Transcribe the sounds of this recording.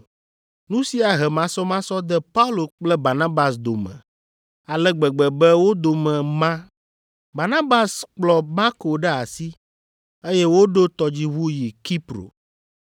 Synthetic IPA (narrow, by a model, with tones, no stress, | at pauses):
nũ˦si˦a˨ɦɛ˨mã˨sɔ˦mã˦sɔ˦d̪ɛ˦pa˦u˦lo˨k͡plɛ˦ba˨nã˦ba˨sd̪o˨mɛ̰̃˨ | a˨lɛ˦ɡ͡bɛ˨ɡ͡bɛ˨bɛ˦wo˦d̪o˨mɛ̃˨mã˦ | ba˨nã˦ba˨sk͡plɔ˨ma˦ko˨ɖɛ˦a˨si˦ | e˦jɛ˦wo˦ɖo˦t̪ɔ˨d͡ʑi˦βu˦ji˨ki˦pɾo̰˨